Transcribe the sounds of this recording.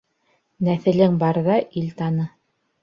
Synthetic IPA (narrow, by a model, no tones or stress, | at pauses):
næθɘ̆lɘŋbɑɾðɑʔilt̪ɑnɤ